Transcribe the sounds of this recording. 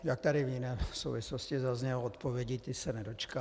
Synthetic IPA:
jak̚t̪aɾɪvjɪnɛːso̰wvɪsloscɪzazɲɛloot̪povjɛɟit̪ɪsɛnɛdo̞t͡ʃka

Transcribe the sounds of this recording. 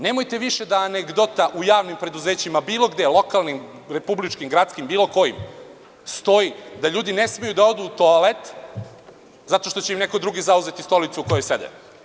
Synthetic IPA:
ne̞mojt̪e̞ʋiʃe̞d̪aːneɡd̪ot̪aʔujaːʋnimpɾe̞d̪uze̞ːt͡ɕimabiːlˠo̞ɡd̪elˠokalnim | ɾe̞publit͡ʃkimɡɾat̪skimbiːlˠo̞ko̞jḭm | st̪o̞jid̪aʎuːd̪ine̞smejud̪ao̞d̪uːt̪oalet̪ | zat̪o̞ʃt̪o̞t͡ɕeimne̞ko̞d̪ɾuɡizauze̞t̪ist̪o̞lit̪suko̞jojse̞d̪ḛ

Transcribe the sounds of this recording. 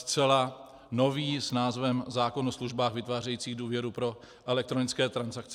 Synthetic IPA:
st̪t͡sɛla | no̞viːsnaːzvɛmzaːko̞nosluʒbaːxvɪt̪vaːr̝ɛjiːt͡siːɣduːvjɛɾupɾo̞ | ʔɛlɛk̚t̪ɾo̞nɪt͡skɛːt̪ɾansakt͡s

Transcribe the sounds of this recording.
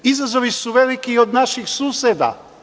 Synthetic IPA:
izazo̞ʋisuʋelikiod̪naʃixsuːsed̪a̰

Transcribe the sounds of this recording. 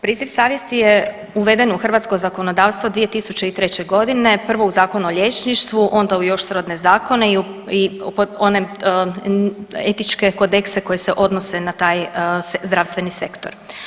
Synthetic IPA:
pɾiːziʋsaːʋje̞st̪ije | uʋe̞d̪enuxr̩ʋaːt̪skozako̞no̞d̪aːʋst̪ʋo̞d̪ʋije̞t̪isut͡ɕe̞it̪ɾe̞t͡ɕe̞ɡo̞d̪ine̞pr̩ʋo̞uzaːko̞nuoʎʲet͡ʃniʃt̪ʋuʔo̞nd̪aujo̞ʃsɾod̪ne̞zaːko̞neiipoone | et̪it͡ʃke̞ko̞d̪e̞kseko̞jese̞ʔo̞d̪nose̞nat̪aːjzd̪ɾaʋst̪ʋe̞nise̞kt̪oɾ

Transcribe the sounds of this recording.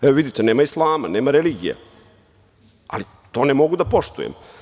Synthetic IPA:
eoʋid̪it̪ene̞ːmaislˠaːma̰neːmaɾeliːɡijḛ | a̰li | t̪o̞ːnemo̞ɡud̪apo̞ʃt̪ṵjḛm

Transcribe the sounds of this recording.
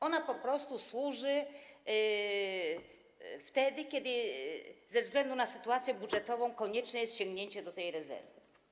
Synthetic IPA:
ɔnapɔpɾɔst̪uswuʐɘ | ft̪ɛd̪ɘkʲɛd̪ɘ | zɛvzɡlɛnd̪unasɘt̪uat̪sʲjɛbudʐɛt̪ɔvɔ̃w̃kɔɲɛt͡ʂnɛjɛst̪ɕɔŋɡɲeɲt͡ɕɛd̪ɔt̪ɛjɾɛzɛ̰ɾvɘ

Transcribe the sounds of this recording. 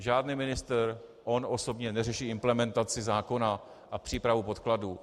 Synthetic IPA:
ʒaːdniːmɪnɪst̪ɾʔo̞nʔo̞so̞bɲɛnɛrɛʃiːɪmplɛmɛnt̪at͡sɪzaːko̞na | ʔapr̝̥iːpɾavupo̞t̪kladuː

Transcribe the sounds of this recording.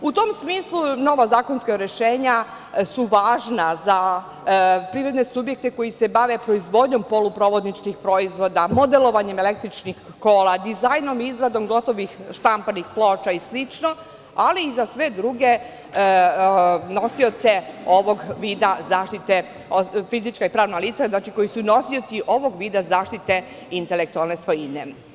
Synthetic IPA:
ut̪o̞msmiːslˠuno̞ʋazaːkonskaɾeʃeːɲa | suʋaːʒnaza | pɾiʋɾe̞d̪nesubjek̚t̪eko̞jisebaʋe̞pɾo̞izʋo̞d̪ɲo̞mpo̞lupɾo̞ːʋo̞d̪nit͡ʃkixpɾo̞izʋo̞d̪amo̞d̪elo̞ʋaɲemele̞k̚t̪ɾit͡ʃnix | ko̞ːlad̪izajno̞mizɾad̪o̞mɡo̞t̪oʋixʃt̪ampanixploːt͡ʃaislit͡ʃno̞ | aliːzasʋe̞d̪ɾuɡe̞ | no̞sio̞t̪se̞o̞ʋo̞ɡʋiːd̪azaːʃt̪it̪e | ofizit͡ʃkaipɾaːʋnaliːt̪saznat͡ʃiko̞jisuno̞sio̞t̪siʔo̞ʋo̞ɡʋiːd̪azaːʃt̪it̪e̞ | int̪ele̞k̚t̪ualne̞sʋo̞jine

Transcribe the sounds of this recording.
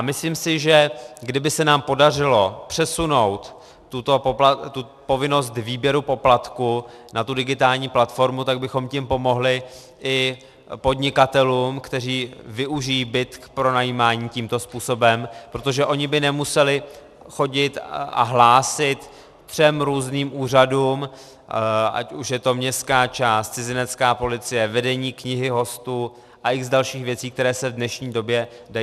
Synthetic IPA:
amɪsliːmsɪʒɛɡdɪbɪsɛnaːmpo̞dar̝ɪlo̞pr̥ɛsuno̞wt̪ː | ut̪o̞poplat̪u | po̞vɪno̞st̪viːbjɛɾupo̞plat̪kunʔat̪udɪɡɪt̪aːlɲiːplat̪fo̞ɾmut̪aɡ̚bɪxo̞mcɪmpo̞mo̞ɦlɪ | ʔɪ | po̞dɲɪkat̪ɛluːmkt̪ɛr̝iːvɪʔuʒɪjiːbɪt̪kpɾo̞najiːmaːɲiːciːmt̪o̞spuːso̞bɛmpɾo̞t̪oʒɛʔo̞ɲɪbɪnɛmusɛlɪ | xo̞ɟɪt̪ʔa̰ɦlaːsɪt̪ | t̪r̥ɛmɾuːzniːmʔuːr̝aduːm | ʔa̰cuʃjɛt̪o̞mɲɛst̪kaːt͡ʃaːst̪t͡sɪzɪnɛt̪t͡skaːpo̞lɪt͡sɪjɛvɛdɛɲiːkɲɪɦɪɦo̞st̪u | ʔaʔɪɣzdalʃiːxvjɛt͡siːk̚t̪ɛɾɛːsɛvdnɛʃɲiːdo̞bjɛda

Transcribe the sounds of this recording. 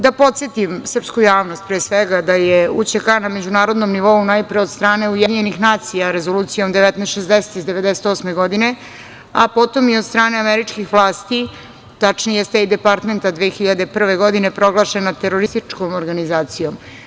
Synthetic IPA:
d̪apo̞t̪set̪imsər̩pskujaːʋno̞st̪̚pɾeːsʋeɡad̪ajeut͡ɕekaname̞d͡ʑunaːɾo̞d̪nomniʋo̞unajpɾeod̪st̪ɾaːne̞ujed̪iɲenixnaːt̪sijaɾe̞zoluːt̪sijo̞md̪eʋɛt̪nɛʃezd̪eset̪izd̪eʋed̪eset̪o̞sme̞ɡo̞d̪ine̞ | apo̞t̪o̞miod̪st̪ɾaːneameɾit͡ʂkixʋlˠaːst̪i | t̪at͡ʂnijest̪eid̪epaɾt̪me̞nt̪ad̪ʋexiʎad̪epr̩ʋeɡo̞d̪inepɾo̞ɡlˠaʃenat̪eɾoɾist̪it͡ʂkomoɾɡanizaːt̪sijom

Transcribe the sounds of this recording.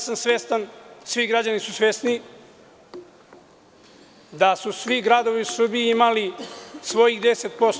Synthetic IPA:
samsʋe̞ːst̪ansʋiɡɾad͡ʑanisusʋe̞ːst̪ni | d̪asusʋiɡɾaːd̪o̞ʋiusr̩bijiimalisʋo̞jiɣd̪e̞set̪̚po̞s

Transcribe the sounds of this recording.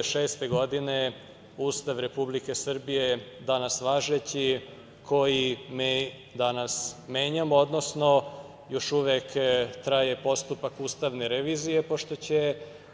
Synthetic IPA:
ʃeːst̪eɡo̞d̪ine | uːst̪aʋɾe̞publike̞sr̩bije̞d̪anasʋaːʒet͡ɕi | kʰo̞jim | d̪anasme̞ːɲamo̞d̪no̞sno | jo̞ʃuʋekt̪ɾajepo̞st̪upakuːst̪aʋneɾeʋiːzije̞poʃt̪o̞t͡ɕe

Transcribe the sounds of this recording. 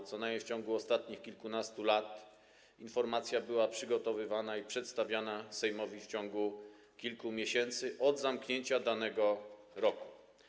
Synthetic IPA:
t̪sɔnajft͡ɕɔŋɡuɔst̪at̪̚ɲixkʲilkunast̪ulat̪ | infɔɾmat̪sʲjabɘwapʂɘɡɔt̪ɔvɘvanaipʂɛt̪st̪avʲjanasɛjmɔvʲift͡ɕɔ̃ŋɡu | kʲilkumʲjeɕɛnt̪sɘʔɔd̪zamkɲeɲt͡ɕad̪anɛɡɔ | ɾɔku̥

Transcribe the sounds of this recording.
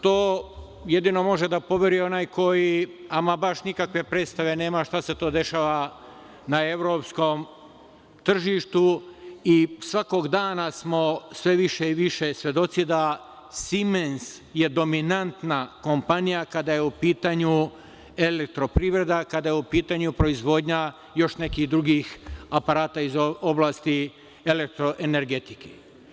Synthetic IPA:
t̪oː | je̞d̪ino̞mo̞ʒed̪apo̞ʋje̞ɾio̞naːjkʰo̞jiamabaʃnikakʋe̞pɾeːt̪st̪aʋe̞ne̞ːmaʃt̪ase̞t̪o̞ːd̪e̞ʃaːʋa | nae̞ʋɾo̞ːpsko̞m | t̪r̩ʒiʃt̪uisʋako̞ɡd̪aːnasmo̞sʋe̞ʋiʃeiʋiʃe̞sʋje̞d̪o̞t̪sid̪a | simens | je̞d̪o̞minant̪nako̞mpanijakad̪ajeupiːt̪aɲu | e̞lek̚t̪ɾo̞pɾiːʋɾe̞d̪akad̪ajeupiːt̪aɲupɾo̞izʋo̞ːd̪ɲa | jo̞ʃne̞kiːhd̪ɾuɡixapaɾaːt̪aizo̞blˠaːst̪i | elek̚t̪ɾoʔe̞ne̞ɾɡe̞t̪i̥ke

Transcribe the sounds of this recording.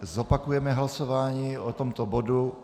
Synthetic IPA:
zɔpakujɛmɛɦlasoʋaːɲiːɔt̪ɔmt̪ɔbod̪u

